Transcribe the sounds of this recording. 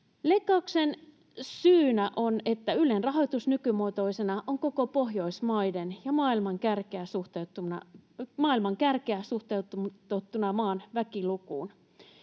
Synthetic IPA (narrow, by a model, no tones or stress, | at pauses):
lekːˑɑuksen | syːnæʔonet̪ːæylenrɑɦoit̪usnykymot̪oisenɑʔoŋkokopoɦjoismɑidenjɑmɑːilmɑŋkærkeæsuht̪eut̪ːˑunɑmɑːilmɑŋkærkeæsuht̪eut̪ut̪ut̪ːunɑmɑːnʋækilukuːn